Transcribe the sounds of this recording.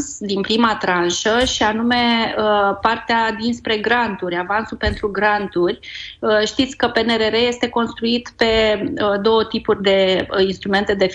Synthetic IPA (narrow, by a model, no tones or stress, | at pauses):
sd̪inpɾimat̪ɾanʃəʃianume̞əpart̪ead̪inspɾe̞ɡɾant̪uɾʲavansulpe̞nt̪ɾuɡɾant̪urʲəʃt̪it̪sʲkəpe̞ne̞ɾe̞ɾeje̞st̪e̞ko̞nst̪ɾuit̪pe̞əd̪o̞wət̪ipurʲd̪e̞inst̪ɾume̞nt̪e̞d̪e̞